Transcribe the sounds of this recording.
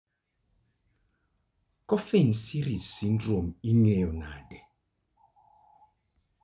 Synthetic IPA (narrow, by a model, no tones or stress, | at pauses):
kɔfinsiɾizsindromiŋɛjɔna̰dɛ